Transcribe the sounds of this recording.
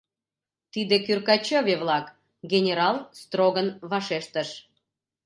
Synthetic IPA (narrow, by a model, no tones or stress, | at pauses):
t̪id̪ekyrkɑt͡ɕovʲeβlɑk | ɡʲenʲeɾɑlst̪roɣənβɑʃeʃt̪əʃ